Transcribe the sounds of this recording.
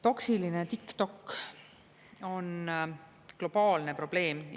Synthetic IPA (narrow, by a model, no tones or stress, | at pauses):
t̪o̞ksilinet̪ikt̪o̞kː | o̞n | klo̞b̥ɑːlne̞pro̞b̥le̞ːm